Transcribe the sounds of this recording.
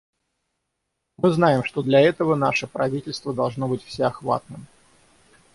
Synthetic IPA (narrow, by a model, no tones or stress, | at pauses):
mɨznajɪmʂt̪o̞d̪lʲɐɛt̪əvənaʂəpɾɐvʲitʲɪlʲst̪vəd̪ɐlˠʐno̞bɨtʲfsʲeɐxva̰t̪̚nɨm